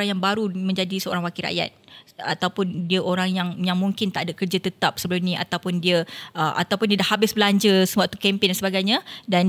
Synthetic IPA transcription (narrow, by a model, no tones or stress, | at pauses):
ɾaŋjaŋbaɾumə̃ɲd͡ʒadisəo̰ɾaŋwakiɾa̰ʔja̰t̪̚a̰t̪awpʊndiəʔoɾaŋjaŋjaŋmũŋkɪnt̪a̰ʔadakərd͡ʒat̪ət̪ap̚səbəlumnĩʔa̰t̪awpʊndiəəʔa̰t̪awpʊndiədahabɪsbəlaɲd͡ʒəsəaʔt̪u̥kɛmpɪŋdansəbaɡajɲadan